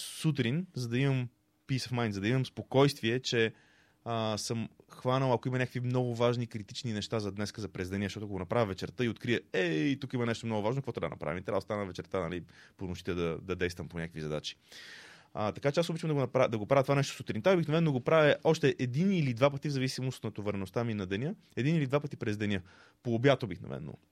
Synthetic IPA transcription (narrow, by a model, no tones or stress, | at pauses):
sut̪̬ɾinzɐd̪ɐiməm | pisəfmajnzɐd̪ɐiməmspokɔjst̪viɛt͡ʃɛ | əsəmxvanəlˠɐkoimɐnʲakəkvimnɔɡʊvaʒnikɾit̪it͡ʃninɛʃt̪azɐd̪nɛskəzɐpɾɛzd̪ɛniɛʃt̪ɔt̪oɐkoɡonɐpɾavʲjəvɛt͡ʃɛɾt̪əiot̪kɾiəɛit̪ukimɐnɛʃt̪omnɔɡʊvaʒnokvɔt̪d̪̰nɐ̰pɾa̰vimt̪ɾaost̪anəvɛt͡ʃɛɾt̪anɐliponoʃi̥t̪ɛd̪ɐd̪ɐd̪ɛjst̪vəmponʲakvizɐd̪a̰t͡ʃi̥ | t̪ɐkat͡ʃɛasobit͡ʃəmd̪ɡonɐɾad̪ɐɡopɾavət̪ovanɛʃt̪o̥sot̪ɾint̪avbixnɐvɛnːɡopɾavʲjəʔɔʃt̪ɛʔɛd̪inilid̪vapət̪ivzɐvisimost̪nɐt̪ovɐɾɛnost̪aminɐd̪ɛnʲə | ɛd̪inilid̪vapət̪ipɾɛzd̪ɛnʲjə | poːbjat̪obixnɐ̰vɛ̰nːo̰